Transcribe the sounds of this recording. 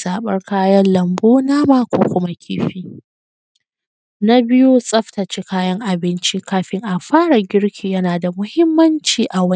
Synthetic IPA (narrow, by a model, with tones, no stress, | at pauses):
zaː˨ɓɐ̰˦rkaː˦jɐ˦nlɐ˨mboː˦naː˦maː˦kʷoː˦kʷʊ˦ma˦kʲʰḭː˦ɸiː˦ | na˦bɪ˦jo˦sʼɐ˦ɸtɐ˨t͡ʃi˦kaː˦jɐ˦ŋʔa˨bɪ˦nt͡ʃi˦kaː˦ɸɪ˦ŋʔa˨ɸaː˦ɽa˨ɡʲɪ˦ɽkʲʰiː˨jɐ˦naː˨da˨mʊ˦hɪ˦mːɐ˦nt͡ʃiː˨ʔa˨wɐ˦n˦